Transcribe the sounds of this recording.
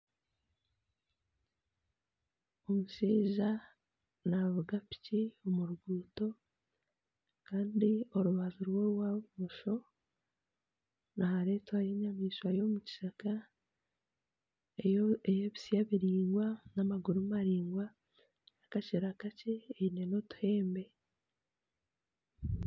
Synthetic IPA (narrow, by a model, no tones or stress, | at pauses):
o̞muʃiːʒa | navuɡapi̥ciomuɾuɡuːto̞ | kaːndio̞ɾuβazuɾwo̞ɾwamuʃo̞ | nahaɾe̞ːtwajeɲamiːʃwajo̞muci̥ʃaka | eejeβi̥sijaβiɾiːŋɡwanamaɡuɾumaɾiːŋɡwa | akaceɾakaceːine̞no̞tu̥he̞ːmbe̞